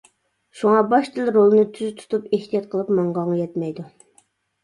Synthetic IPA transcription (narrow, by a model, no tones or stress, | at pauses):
ʃuŋɑbɑʃt̪ʰɨlˠɾolˠɨnɨt̪ʰyzt̪ʰu̥t̪ʰupeht̪ʰijɑt̪qʰəlˠɨpmɑɴʁɑŋjɛt̪mɛjd̪u